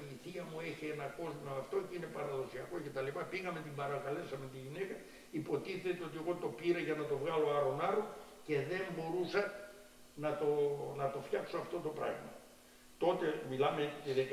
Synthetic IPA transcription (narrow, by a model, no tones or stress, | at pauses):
iiθiɐmueçienɐko̞zmoɐft̪o̞cine̞pɐɾɐðo̞siɐko̞ce̞t̪ɐlipɐpiɣɐmet̪imbɐɾɐkɐle̞sɐme̞nt̪iʝinekɐ | ipo̞t̪iθe̞t̪eo̞t̪ie̞ɣo̞t̪o̞piɾɐʝɐnɐt̪o̞vɣɐlo̞ɐɾonɐɾoce̞ðe̞mbo̞ɾusɐ | nɐt̪onɐt̪o̞fçɐksoɐft̪o̞t̪o̞pɾɐ̰ɣmɐ | t̪o̞t̪e̞milɐmet̪iðe